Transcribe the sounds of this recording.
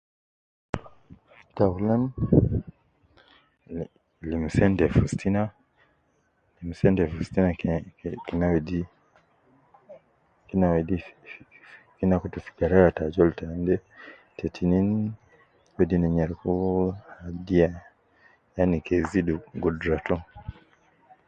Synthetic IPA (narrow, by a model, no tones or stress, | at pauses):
taulan | lim̩sɛndɛfustina | lim̩sɛndɛfustinakinawɛdi | kinawɛdi | kinakutufi̥ɡaɾaɾatad͡ʒɔltandɛ | tʰɛtʰinin | wɛdinɛɲaɾkuhadia | janikɛziduɡudɾatɔ